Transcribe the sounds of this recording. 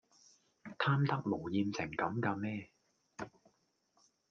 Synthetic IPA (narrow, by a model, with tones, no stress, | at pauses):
t̪ʰaː˥mt̪ɐ˥k̚lo˨˩wjiː˨˧nt͡sʰɪ̰˨˩ŋkɐ˨˧˥mkaː˧mɛː˥